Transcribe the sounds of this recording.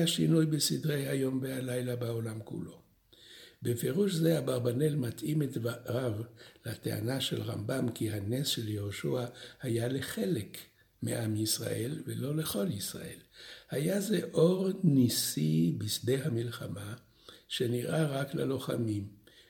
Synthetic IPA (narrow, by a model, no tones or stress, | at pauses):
aʃinujbesidʁejhajo̞mvehalajlabao̞lamkṵlo̞̰ | befeʁuʃzehabaʁbanelmat̪ʔimetaʁavlat̪ea̰naʃḛlʁa̰mbamkihanesʃeljehoʃuahajaleχe̞lek | mḛʔamjisʁa̰ʔelvelo̞le̞χo̞ljisʁa̰ʔe̞lhajaze̞ʔo̞ʁnisibisdehamilχama | ʃe̞niʁʔaʁaklalo̞χamim